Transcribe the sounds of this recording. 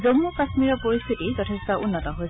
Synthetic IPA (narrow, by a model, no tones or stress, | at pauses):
zomːukasmiɹɔpoɹist̪ʰitizɔtʰɛstɔʔunːɔtɔɦoj